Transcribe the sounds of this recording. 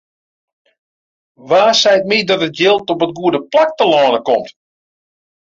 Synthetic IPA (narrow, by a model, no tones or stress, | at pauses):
ʋaːsɛjt̚midɔtətjɪlˠtɔpətɡuədəplak̚təlɔːnəkɔmt